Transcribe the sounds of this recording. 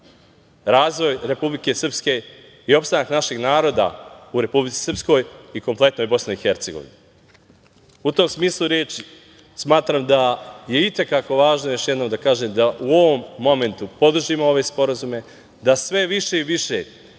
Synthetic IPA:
ɾaːzʋo̞jɾe̞publike̞sɨr̩pske̞ | io̞pst̪anaknaʃeɡnaːɾo̞ːd̪a̰uɾe̞publit̪i̥srpsko̞jiko̞mple̞t̪nojbo̞sneixe̞ɾt̪se̞ɡo̞̰ʋḭnu | ut̪o̞ːmsmiːslˠuɾjeːt͡ʃi | smaːt̪ɾaːmd̪aje̞it̪e̞kako̞ʋaːʒnojo̞ʃjed̪nomd̪akaːʒemd̪aʔuo̞ʋo̞mːo̞me̞nt̪upo̞d̪r̩ʒiːmooʋe̞spo̞ɾazume̞ | d̪asʋe̞ʋiʃe̞iʋiʃe̞̰

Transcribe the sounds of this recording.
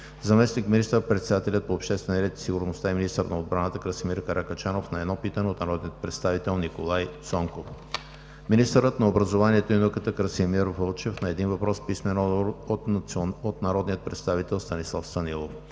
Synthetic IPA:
zɐmɛsnikminist̪əɾpɾɛt̪sɛd̪at̪ɛlʲət̪̚poːpʃt̪ɛst̪vɛnɛɾɛt̪i̥siɡʊɾnost̪aɛminist̪əɾnɐod̪̚bɾanət̪əkɾəsimiɾkɐɾakət͡ʃanofnɐɛd̪nɔpit̪ənɛot̪nɐɾɔd̪niət̪̚pɾɛt̪st̪avit̪ɛlˠnikolˠajsɔŋkof | minist̪əɾət̪nɐobɾəzovaniɛt̪oinokət̪əkɾəsimiɾvəlˠt͡ʃɛfnɐɛd̪invɐpɾɔspismɛnɔot̪ot̪nɐɾɔd̪nijət̪̚pɾɛt̪st̪avit̪ɛlˠst̪ɐnislˠafst̪ɐnilˠof

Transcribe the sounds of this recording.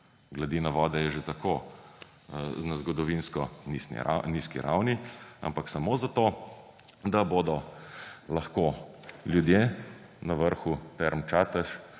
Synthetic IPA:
ɡlad̪inaʋɔːd̪ɛjɛʒet̪akoː | nazɡɔd̪ɔʋinskɔnisnḭa̰niːskḭɾʔa̰wnia̰mpaksamoːzat̪o | d̪aboːd̪ɔ | lɐxkoljud̪je | nɐʋəɾxut̪ɛɾmt͡ʃaːt̪əʃ

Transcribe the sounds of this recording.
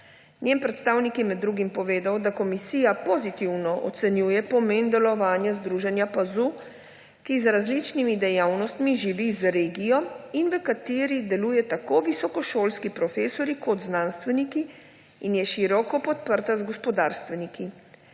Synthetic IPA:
nʲjenpɾɛt̪st̪aːwnikjɛmɛd̪ːɾuːɡimpɔʋeːd̪awd̪akɔmisiːjapozit̪iwnɔʔɔ̰t̪sɛnjuːjɛpɔmeːnd̪ɛlɔʋaːnjazd̪ɾuːʒɛnjapazu | kizɾazlit͡ʃnimid̪ɛjawnɔst̪miʒiʋizɾeːɡijɔinʋəkat̪eːɾid̪ɛluːjɛt̪akoʋisɔkɔʃoːlskipɾɔfeːsɔɾikɔt̪znaːnst̪ʋɛnikiː | njɛʃiɾɔkɔpɔt̪̚pəɾt̪azɡɔspɔd̪aːɾst̪ʋɛniki

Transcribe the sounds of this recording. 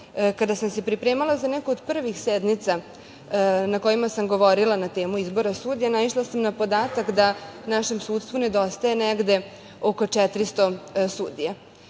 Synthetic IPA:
kad̪asamse̞pɾipɾeːmalˠazanekood̪pr̩ʋixsed̪nit̪sa | nako̞jimasamɡo̞ʋo̞ɾilˠanat̪eːmuizbo̞ɾasuːd̪ijanaiʃlˠasamnapo̞d̪aːt̪akd̪anaʃe̞msuːt̪st̪vuned̪o̞st̪aje̞neɡd̪e̞ | oko̞t͡ʂɛt̪ɾist̪o̞suːd̪ija

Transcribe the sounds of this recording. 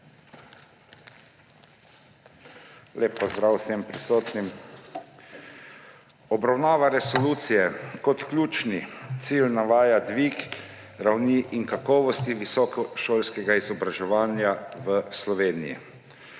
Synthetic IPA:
leːpːɔzd̪ɾawsɛmpɾisoːt̪nim | ɔbɾawnaːʋaɾɛsɔluːt̪sijɛkɔt̪klʲuːt͡ʃnit̪siːlnaʋaːjad̪ʋiːk | ɾawniʔiŋkakɔːʋɔst̪iʋisɔkɔʃoːlskɛɡaizɔbɾaʒɛʋaːnjaʋəslɔʋeːnijḭ

